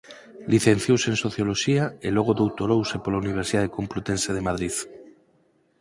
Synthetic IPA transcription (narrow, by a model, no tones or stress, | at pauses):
liθenθjowsẽnsoθjoloʃiaeloɣ̞oðowt̪oɾowsepolauniβ̞eɾsiðaðekomplut̪ẽnseðemaðɾið